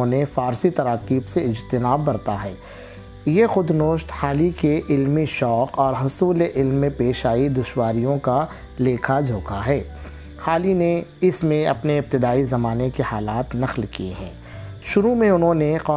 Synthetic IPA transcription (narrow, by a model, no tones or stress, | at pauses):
õnefaːɾsit̪ɐɾaːqiːbseɪd͡ʒt̪ɪnaːbːɐɾt̪aɦɛː | jexʊd̪noːʃt̪haːlikeʔɪlmiʃɔːqɔːɾɦʊsuːleʔɪlmːẽpeːʃaːid̪ʊʃwaːɾijõka | leːkʰad͡ʒʱoːkʰaɦɛː | haːlineɪsmẽɐpneɪp̚t̪ɪd̪aːizɐmaːnekehaːlaːt̪nɐxlkiḛɦɛ̰̃ː | ʃʊɾumẽʊnɦõneqɔː